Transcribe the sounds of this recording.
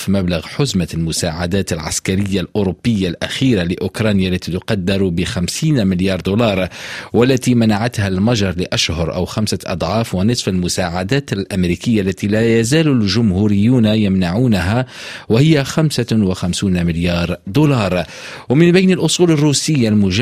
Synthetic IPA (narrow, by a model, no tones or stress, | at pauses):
fimablaɣħʊzmalmʊsaːʕad̪aːt̪ɪlʕa̰skaɾɪjːalʔʊɾʊbːɪjːalʔaxiːɾalɪʔʊkɾˤɑːnjaʔlːæt̪it̪ʊqɑd̪ːɪɾˤubɪxamsiːnmɪljɑːɾˤd̪ulɑːɾˤwalːat̪imanaʕat̪halmɑʒɑɾˤlɪʔaʃhʊɾˤʔa̰wxamsaʔɑ̰d̪ˤʕɑːfwɪnɨsˤfalmʊsaːʕad̪æːt̪ɪlʔamɾiːkɪjːaʔlːæt̪ilæjæzæːlʊlʒʊmhuːɾɪjːuːnjamnaʕuːnɦawɪhɪjːaxamsawɪxamsiːnmɪljɑːɾˤd̪ulɑːɾˤ | wmɪnbajnɪlʔʊsˤuːlɪrːuːsɪjːalmʊʒ